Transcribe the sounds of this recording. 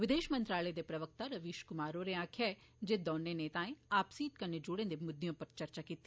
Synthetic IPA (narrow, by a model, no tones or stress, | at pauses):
ʋɪd̪eːʃmə̃nt̪ɾaːləed̪epɾɐʋək̚t̪aɾəʋiːʃkʊmaːɾoɾeãːkʰjaɛ | d͡ʒed̪ɔːnːeneːt̪ãːẽaːpsiːt̪̚kəned͡ʒʊɽẽːd̪emʊd̪jõːpɐɾt͡ʃɐɾt͡ʃakiːt̪ːi